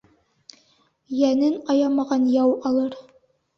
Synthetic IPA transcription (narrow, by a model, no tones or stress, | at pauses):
jænɘnɑjɑmɑʁɑnjɑwɑlˠɤɾ